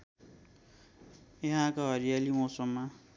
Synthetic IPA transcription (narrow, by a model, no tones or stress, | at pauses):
jʌɦãkoɦʌɾijalimosʌmːa